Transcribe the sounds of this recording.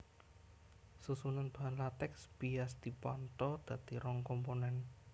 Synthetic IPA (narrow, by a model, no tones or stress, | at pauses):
susunanb̪̥uɦanlat̪ɛksb̥iasd̪̥i̤pɔnt̪ɔd̪̥a̤d̪iɾɔŋkɔmponɛn